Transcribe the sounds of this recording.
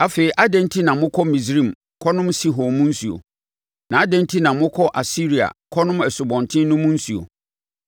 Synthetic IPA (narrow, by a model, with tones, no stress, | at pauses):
a˨fe˨i˨ʔa˦dɛ̃˦ntʰi˦nã˨mʊ̃˦kʰɔ˦mĩ˨sɾĩ˦˨m | kʰɔ˦nʊ̃˦msi˦ɦo˨mʊ̃˦n̩˦su˨o̰˨ | nã˨a˦dɛ̃˦ntʰi˦nã˨mʊ̃˦kʰɔ˦ʔa˨si˦ɾi˨a̰˨kʰɔ˦nʊ̃˦mɛ˨sʊ˨bɔ̃˨ntʰɪ̃˦n˦nʊ̃˦mʊ̃˦n̩˦su˨o̰˨